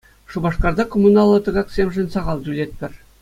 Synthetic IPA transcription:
ʂubɑʂkɑrd̪ɑkomunɑlˠːɤ̆t̪ɤ̆ɡɑksʲemʲʐɘ̆nʲsɑʁɑlˠd̪ʲylʲet̪̚pʲɘ̆rʲ

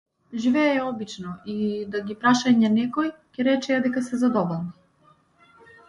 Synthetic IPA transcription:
ʒivɛɛɔbit͡ʃnɔid̪aɡipɾaʃaɲɛnɛkɔjcɛɾɛt͡ʃɛad̪ɛkasɛzad̪ɔbɔlˠni

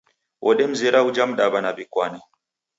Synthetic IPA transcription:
wʔɔɗɛm̩zɛɾaud͡ʒam̩ɗabanabikwana

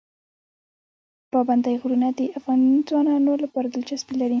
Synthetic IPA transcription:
pɑband̪ajɣɾunad̪əʔafɣɑnzwɑnɑnolapɑɾad̪əlt͡ʃasbilaɾi

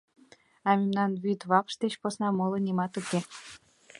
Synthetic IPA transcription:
ɑmʲemnɑnβyt̪βɑpʃt̪et͡ɕposnɑmolɤ̆nimɑt̪uke

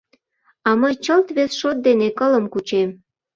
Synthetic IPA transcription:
ɑməjt͡ɕəlt̪βesʃot̪̚d̪enekələmkut͡ɕem

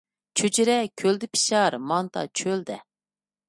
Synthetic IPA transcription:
t͡ʃʰød͡ʒɪɾɛkʲʰøld̪ɪpʰi̥ʃɑɾmɑnt̪ʰɑ̰t͡ʃʰøld̪ɛ

